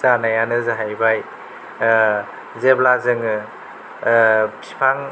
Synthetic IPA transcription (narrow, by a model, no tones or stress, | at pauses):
zanajanɯzɯɦajbaj | zeblazɯŋɯ | kʰi̥pʰaŋ